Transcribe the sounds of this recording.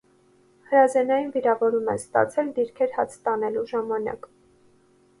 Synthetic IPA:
həɾɑzɛnɑjinviɾɑvɔɾumɛ̰st̪ɑ̰t͡sʰɛld̪iɾkʰɛɾhɑ̰t͡sʰt̪ɑnɛluʒɑmɑnɑ̰k

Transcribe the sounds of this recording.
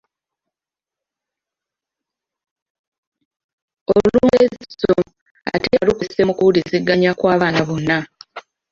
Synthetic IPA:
oluluːeziso | a̰tealukuse̞mukuuliziɡːaɲakwaːβaːnaβo̞nːa

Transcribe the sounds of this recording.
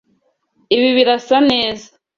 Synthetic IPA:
iβiβiɾasaneːza

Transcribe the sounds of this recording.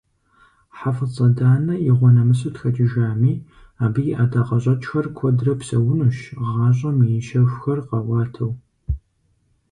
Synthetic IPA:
ħafɨt͡sʼɐdaːnɐjɪʁʷɔnɐmɨsɐtxɐt͡ʃʼɪʒaːmiː | aːbɨjɪʔadaqɐɕʼɐt͡ʃʼxɐrkʷʰɔdrɐpsɐwʊnuʃʁɑːɕʷʼɐmɨjɪʃɐxʷxɐrqɐwɑːtʰɐw

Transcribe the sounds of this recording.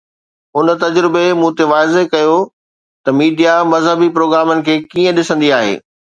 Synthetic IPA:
ʊnt̪ɐd͡ʑɾɪbemũːt̪eʋaːɪzekɐjo | t̪ɐmiːɖijamɐzɦəbipɾoːɡɾaːmənɪ̆kʰeːkiːə̃ɗɪsə̃nd̪iaːɦḛː

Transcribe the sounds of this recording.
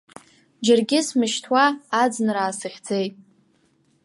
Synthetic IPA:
d͡ʒɪrɡʲɪsmɨʃtʰwaːd͡znɨɾaːsɨχʲd͡ze̞jtʼ

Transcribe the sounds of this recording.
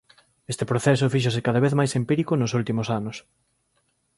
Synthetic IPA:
est̪ɪpɾoθes̬ʊfiʃ̬osɪkaðɐβeθmajsempiɾikʊnosult̪imosanʊs

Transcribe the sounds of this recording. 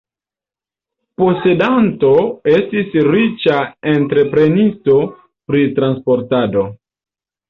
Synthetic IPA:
po̞se̞danto̞e̞stisɾit͡ʃae̞ntɾe̞pɾe̞nisto̞ | pɾitɾanspo̞ɾtado̞

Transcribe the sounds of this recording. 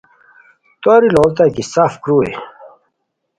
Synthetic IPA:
t̪oɾiloːlt̪akisaːfkɾuːḛ

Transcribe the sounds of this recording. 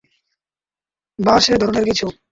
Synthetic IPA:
baʃed̪ʱɔɾoneɾkit͡ɕʰu

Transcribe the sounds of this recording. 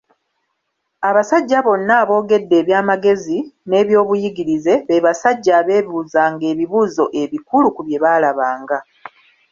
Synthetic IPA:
aβasaɟːaβo̞nːaβo̞ːɡe̞dːe̞ːβjaːmaɡe̞zine̞ːβjo̞ːβujiɡiɾize̞βeβasaɟːaːβe̞ːβuːzaːŋɡe̞ːβiβuːzo̞ʔe̞βikulukuβje̞βaːlaβaːŋɡa

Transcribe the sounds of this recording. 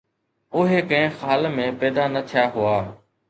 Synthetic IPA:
ʊɦeːkə̃ɦɪ̃xaːlmẽːpɛːd̪aːnət̪ʰɪjaːɦʊaː

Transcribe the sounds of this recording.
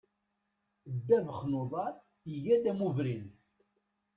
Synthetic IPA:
d̪ːævəχnoðˤɑɾˤ | iʝæd̪æmuvɾin

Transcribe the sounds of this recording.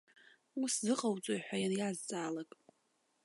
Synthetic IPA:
uszɨqʼawt͡sʷʼojħʷᶣajanjazt͡sʼaːlakʼ

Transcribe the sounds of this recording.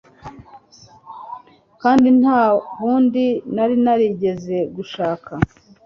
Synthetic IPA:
kaːndinhaːβuːndinaɾinaɾiɟe̞ze̞ɡuʃaːkʰa

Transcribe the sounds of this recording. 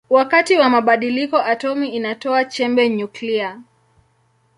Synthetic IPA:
wakatiwamaɓaɗilikɔʔatɔmiːnatɔat͡ʃɛmbɛɲuklia

